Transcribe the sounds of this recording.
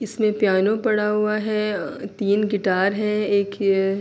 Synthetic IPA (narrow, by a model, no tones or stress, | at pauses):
ɪsmẽpjaːnõpɐɽaɦʊaɦɛt̪iːnɡɪʈaːɾɦɛ̃eːk